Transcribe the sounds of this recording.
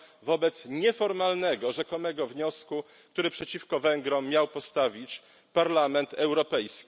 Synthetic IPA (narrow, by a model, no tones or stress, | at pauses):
vɔbɛt̪sɲɛfɔɾmalnɛɡɔʐɛkɔmɛɡɔvɲɔsku | kt̪uɾɘpʂɛt͡ɕifkɔvɛŋɡɾɔ̃mʲːjawpɔst̪avʲit͡ɕ | paɾlamɛnt̪ɛwɾɔpɛjskʲi